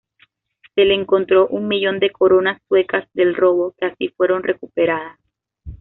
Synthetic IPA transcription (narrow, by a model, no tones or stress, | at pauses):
se̞leːŋko̞nt̪ɾo̞ʔuŋmiʝo̞nd̪e̞ko̞ɾo̞nasːwe̞kazd̪e̞lro̞βo̞keasifwe̞ɾo̞nre̞kupe̞ɾað̞as